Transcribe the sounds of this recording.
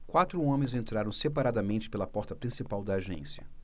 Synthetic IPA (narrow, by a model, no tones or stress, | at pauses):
kwat̪ɾʊõmẽj̃zẽnt̪ɾaɾɐ̃w̃sepaɾad̪ɐmẽnt͡ʃɪ̥pelɐpɔɾt̪ɐpɾĩsipawd̪ɐːʒḛ̃sjɐ